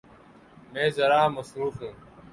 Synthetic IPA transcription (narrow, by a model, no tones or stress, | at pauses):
mẽːzəɾaːməsɾuːfɦũː